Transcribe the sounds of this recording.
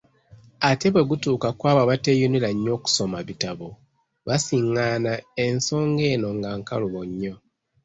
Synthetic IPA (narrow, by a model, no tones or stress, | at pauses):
ate̞βwe̞ɡutuːkakwaːβaβatejunilaɲːo̞ːku̥so̞maβitaβo | βasiŋːaːnae̞nso̞ːŋɡe̞ːno̞ŋɡaːŋkaluβoɲːo̞